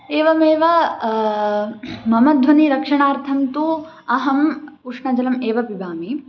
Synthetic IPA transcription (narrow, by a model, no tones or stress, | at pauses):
eːʋɐmeːʋɐ | mɐmɐd̪ʱʋɐniɾɐkʂɐɳaːɾt̪ʰɐmt̪u | ɐɦɐmpuːʂɳɐd͡ʒɐlɐmeːʋɐpibaːmi